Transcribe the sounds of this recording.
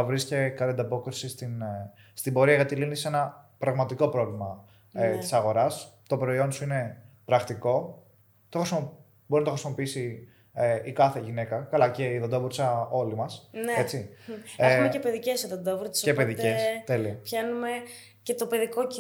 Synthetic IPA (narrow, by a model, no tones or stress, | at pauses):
ɐvɾiscekɐlnd̪ɐpo̞kɾisist̪in | st̪ibo̞ɾiɐʝɐt̪ilinise̞nɐpɾɐɣmɐt̪iko̞pɾo̞vlimɐ | et̪i̥sɐɣo̞ɾɐst̪o̞pɾo̞io̞nsuine̞pɾɐkt̪iko̞ | t̪oxɾismo | bo̞ɾinɐt̪oxɾisimo̞piisi | eikɐθeʝine̞kɐkɐlɐceiðod̪ovuɾsɐo̞limɐsnet͡siexumecepeðicesoðod̪ovuɾt̪sepeðicest̪e̞liɐpçɐnume | cet̪ope̞ðikoci